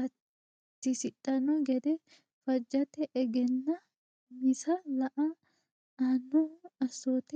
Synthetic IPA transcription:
ɐ | t̪ːɪsɪɗʼɐnɔɡɛd̪ɛ | fɐd͡ʒːɐt̪ɛʔːɡɛnːɐ | mɪsɐlɐʔɐ | ɐnːoɐsoːt̪ɛ

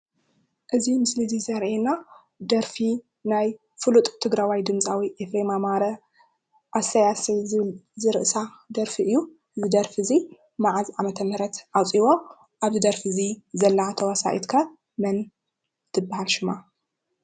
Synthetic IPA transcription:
ʔɨzimɨslɨzizɐɾʔena | d̪ɐɾfi | naj | fɨlut̪ʼt̪ʰɨɡɾawajd̪ɨmt͡sʼawiʔefɾemamaɾɐ | ʔasɐjasɐjzɨɾɨʔsa | d̪ɐɾfiɨjːu | zɨd̪ɐɾfɨzi | maʕazʕamɐt̪ʰɐmɾɐt̪ʔawt͡sʼiβo̞ | ʔaβɨd̪ɐɾfɨzizɐlːat̪ʰɐwɐsa̰ʔḭt̪kʰɐ | mɐn | t̪ʰɨbːahalʃɨma

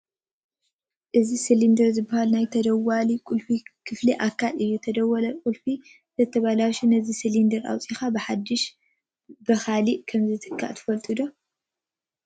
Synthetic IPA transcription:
ʔɨzisɨlind̪ɐɾzɨbːahalnajt̪ʰɐd̪ɐwːalikʼulfikʰɨfliʔakʰːalɨjːut̪ʰɐd̪ɐwːɐlɐkʼulfi | zʰɐt̪ʰːɐβalaʃinɐzisɨlind̪ɐɾa̰wt͡sʼixabɨħad̪ːɨʃ | bɐxaliʔkʰɐmzɨt̪ʰɨkʰːa̰ʔt̪ʰɨ̥fɐlt̪ʼud̪o

